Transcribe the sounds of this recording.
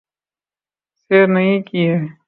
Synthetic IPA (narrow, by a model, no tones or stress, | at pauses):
seːɾnɐĩkie